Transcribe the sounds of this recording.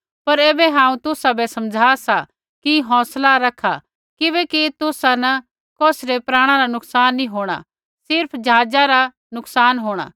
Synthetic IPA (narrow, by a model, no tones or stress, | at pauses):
pɐɾeːbɛɦãːũt̪ʊsabɛsɐmd͡ʒʱaːsa | kiɦɔ̃ːslaɾɐkʰa | kɪβɛkit̪ʊsanɐ | kɔːsɾepɾaːɽ̃ãɾanʊksaːnːĩɦoːɽ̃a̰ | sɪɾpʰd͡ʒaːd͡ʒaɾa | nʊksaːnɦoːɽ̃a̰ː